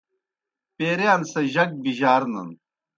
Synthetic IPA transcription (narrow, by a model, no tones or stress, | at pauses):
peːɾeɐnsɐʑɐk̚biʑaːɾnɐ̰n